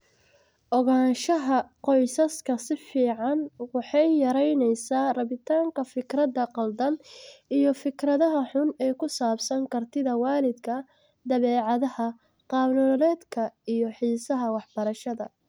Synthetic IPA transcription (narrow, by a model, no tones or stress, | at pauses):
ʔɔɣaːnʃɐɦɐqɔjsɐskʰɐsɪfiːʕɑnwɑħɑjjɐɾɛjnɛjsaːrɐβɪt̪ʰaːŋkʰɐfɪkrɐd̪ɐqɑld̪ɐnijɞfɪkɾɐðɐɦɐħʊnɛːkʰʊsaːbsɐŋkʰɐrt̪ʰɪðɐwɑːlɪd̪kʰɐ | d̪ɐβɛːʕɑðɐhɐ | qɑːnɔlɛːd̪kʰɐijɔħiːsɐɦɐwɑħbɐɾɐʃɐðɐ